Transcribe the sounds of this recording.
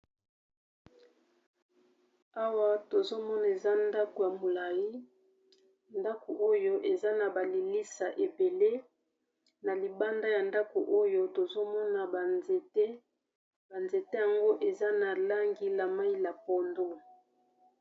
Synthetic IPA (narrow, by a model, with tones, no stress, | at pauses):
a˦wa˦to˨zo˦mɔ˦na˨e˨za˦nda˦ko˨ja˨mo˨la˨ji˦ | nda˦ko˨ʔo˦jo˦ʔe˨za˦na˨ba˨li˨li˦sa˨ʔe˨be˨le˦ | na˨li˨ba˦nda˦ja˨nda˦ko˨ʔo˦jo˦to˨zo˦mɔ˦na˨ba˨e˨te˦ | b̥a˨nze˨te˦ja˨ŋɡo˦ʔe˨za˦na˨la˦ŋɡi˦la˨ma˦i˦la˨pɔ˨ndo˦